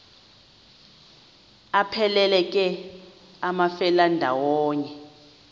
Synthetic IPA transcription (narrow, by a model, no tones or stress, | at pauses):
apʰɛlɛlɛkʼɛ | amafɛlandʱawɔːɲɛ